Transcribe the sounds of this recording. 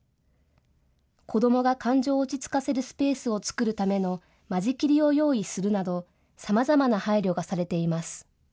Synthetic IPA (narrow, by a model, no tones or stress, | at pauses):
kʰo̞d̪o̞mo̞ɡakãɲ̟d͡ʑo̞ːt͡ɕit͡sɨ̥kase̞ɾɯ̟sɨ̥pe̞ːsɨo̞t͡sɨ̥kɯ̟ɾɯ̟t̪ame̞no̞ | maʑikʲiɾʲio̞jo̞ːisɨɾɯ̟nad̪o̞ | samazamanahaiɾʲo̞ɡasaɾe̞t̪e̞imasɨ̥